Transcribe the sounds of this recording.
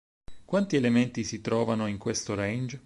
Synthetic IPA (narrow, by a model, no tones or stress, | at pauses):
kwant̪ielement̪isit̪ɾɔːvanoiŋkwest̪oɾɛjnd͡ʒ